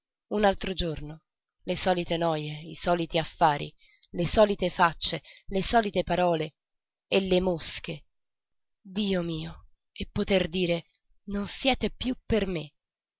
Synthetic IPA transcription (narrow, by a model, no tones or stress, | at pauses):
unalt̪ɾod͡ʒorno | lesɔːlit̪enɔːjeisɔːlit̪iafːaːɾḭ | lesɔːlit̪efat͡ʃːelesɔːlit̪epaɾɔːle | elːemosk̟e | d̪iːomiːo | epːot̪erd̪iːɾe | nonsjɛːt̪epjupːerme